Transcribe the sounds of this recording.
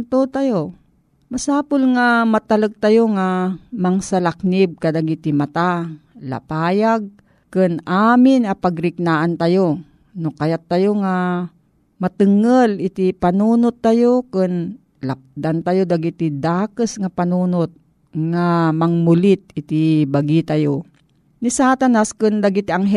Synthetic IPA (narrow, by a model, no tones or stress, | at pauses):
nt̪ot̪ajo | masaːpʊlŋamat̪aləɡ̚t̪ajoŋamaŋsalak̚nɪb̚kad̪aɡit̪ɪmat̪ala̰paːjaɡ̚ | kɨnaːmɪnapaɡɾɪk̚naːʔant̪ajo | nokajat̪ːajoŋa | mɐt̪ɨŋəlɪt̪ipanuːnʊt̪ːajokɨn | lap̚d̪ant̪ajod̪aɡit̪id̪aːkəsŋapanunot̪̚ | ŋamɐŋmʊlɪt̪̚ɪt̪ibaɡit̪ajo | nisaːt̪anaskɨnd̪aɡit̪iʔaŋɦ